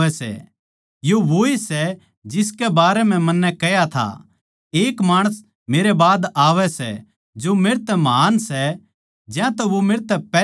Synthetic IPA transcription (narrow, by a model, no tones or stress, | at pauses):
ɛsɛ̰ | joʋoisɛ | d͡ʒɪskɛbaːɾɛm̤ɛ̃mɐnːɛkɛjat̪ʰa̰ | eːkmaːɽ̃əs | meːɾebaːd̪aːʋɛsɛ̰ | d͡ʒomeːɾt̪ɛmɐɦaːnsɛ | d͡ʒjãt̪ɛʋomeːɾt̪ɛpɛː